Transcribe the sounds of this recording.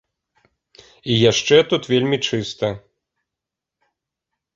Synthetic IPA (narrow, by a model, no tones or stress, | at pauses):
ijaʂt͡ʂɛt̪ut̪vʲelʲmʲit͡ʂɨst̪ɐ